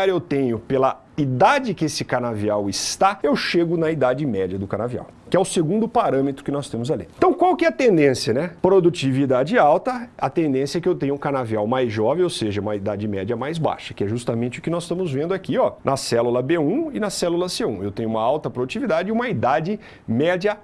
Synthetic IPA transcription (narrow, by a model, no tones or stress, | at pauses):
aɾewt̪ẽɲʊpelɐ | id̪ad͡ʒɪkɪesɪkaɾnaviawɪst̪aewʃeɡʊnɐid̪ad͡ʒɪmɛd͡ʒɐd̪ʊkaɾnavia̰w | kɪɛʊseɡũnd̪ʊpaɾɐ̃met̪ɾʊkɪnɔst̪ẽmʊzalḭt̪ɐ̃w̃kwawkɪɛɐt̪ẽnd̪ẽsiɐnɛpɾod̪ut͡ʃivid̪ad͡ʒɪawt̪ɐɐt̪ẽnd̪ẽsjɐɛkɪewt̪ẽɲ̃ʊũkaɾnaviawmajzʒɔvẽowseʒɐũmɐid̪ad͡ʒɪmɛd͡ʒɐmajzba̰ʃɐ̥kɪɛʒust̪ɐmẽt͡ʃɪʊkɪnɔzst̪ɐ̃mʊzvẽnd̪ʊakiɔnʔɐsɛlulɐbeũɪnɐsɛlulɐseũewt̪ẽɲʊ̃ũmɐawt̪ɐpɾod̪ut͡ʃivid̪ad͡ʒɪiũmɐid̪ad͡ʒɪ | mɛd͡ʒɐ